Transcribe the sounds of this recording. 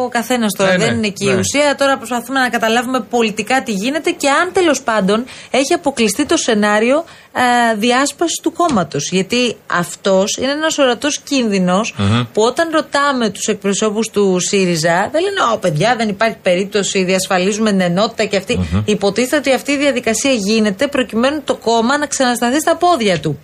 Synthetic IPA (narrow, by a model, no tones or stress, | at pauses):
okɐθe̞nɐst̪o̞ɾɐðenineciiusiɐt̪o̞ɾɐpɾo̞spɐθume̞nɐkɐt̪ɐlɐvume̞po̞lit̪ikɐt̪iʝine̞t̪e̞ce̞ɐnt̪e̞lo̞spɐnd̪o̞ne̞çiɐpo̞klist̪it̪o̞se̞nɐɾio̞ | ðiɐspɐsi̥st̪uko̞mɐt̪o̞sʝɐt̪iɐ̰ft̪o̞sine̞enɐso̞ɾɐt̪o̞scinðino̞spuo̞t̪ɐnɾo̞t̪ɐme̞t̪u̥se̞k̚pɾo̞so̞pust̪usiɾizɐðeleneope̞ðʝɐðe̞nipɐɾçi̥pe̞ɾip̚t̪o̞siðiɐsfɐlizumeneno̞t̪i̥t̪ɐceɐft̪iːpo̞t̪iθt̪eot̪iɐft̪iːðiɐðikɐsiɐʝine̞t̪e̞pɾo̞cime̞nunt̪o̞ko̞mɐnɐksɐnɐst̪ɐθist̪ɐpo̞ðʝɐt̪u